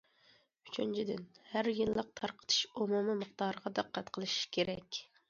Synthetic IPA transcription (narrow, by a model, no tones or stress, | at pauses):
yt͡ʃʰynt͡ʃʰid̪ɪnhæɾjɨlˠːəq̚t̪ʰɑɾqʰə̥t̪ʰɨ̥ʃumumɨməqt̪ɑɾʁɑd̪ɨqːæt̪qʰəlˠɨʃi̥ʃkʲʰeɾɛkʲ